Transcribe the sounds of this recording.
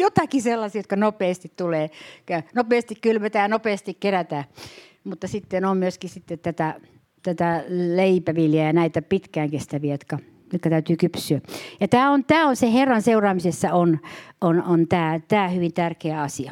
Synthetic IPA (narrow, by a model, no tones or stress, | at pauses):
jot̪ɑkiselːɑsiːjot̪kɑnopeːst̪it̪t̪uleːkænopeːst̪ikkylmet̪æːɑnopeːst̪ikkeræt̪æː | mut̪ːɑsit̪ːenommyøskissit̪ːet̪t̪æt̪æ | t̪æt̪æleipæʋiljɑjɑnæit̪æpit̪kæːŋkest̪æʋiæjot̪kɑ | jot̪kɑt̪æyt̪yːkypsyæjɑt̪æːont̪æːonseherːɑnseurɑːmisesːɑononont̪æːt̪æːhyʋint̪ærkeæɑsiɑ